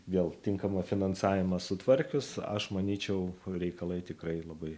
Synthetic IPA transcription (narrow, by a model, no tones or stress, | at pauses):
ʋʲeːlˠt̪ʲɪŋkɐmɐfʲɪnɐnsɑːʋʲɪmɐsʊt̪ʋɐɾʲkʲʊsɐ̰ʃmɐnʲiːt͡ʃʲɛʊɾʲɛɪkɐlˠɐɪt̪ʲɪkrɐɪlˠɐbɐɪ